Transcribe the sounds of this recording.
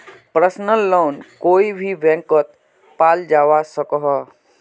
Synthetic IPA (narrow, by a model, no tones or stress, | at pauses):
pɾəsnəlːoːnkoːibʱibɛ̃ːŋkət̪̚ | paːld͡ʒaːʋasəkɦɔ